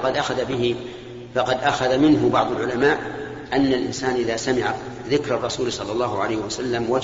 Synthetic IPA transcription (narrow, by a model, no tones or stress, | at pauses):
qɑd̪ʔaxaðabɪɦɪ | fɑqɑd̪ʔaxaðamɪnɦʊbɑʕðˤɑlʕʊlamaːʔ | ʔanːalʔɪ̰nsaːnʔɪðasamɪʕa | ðɪkɾɑrˤːɑsuːlsˤɑlːɑlˤːɑːɦʊʕalajhɪwasalːamwa